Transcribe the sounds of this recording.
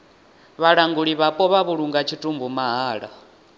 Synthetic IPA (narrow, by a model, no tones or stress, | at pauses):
βaɺaŋɡuɺiβapʼɔβaβuɺuŋɡat͡ʃʰitʼumbumaɦaːɺa